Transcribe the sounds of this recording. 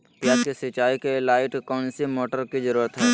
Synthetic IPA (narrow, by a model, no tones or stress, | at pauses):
plaskisɐt͡ʃaːikelaːɪʈkɔːnsimoːʈəɾkizəɾuːɾət̪ɦɛː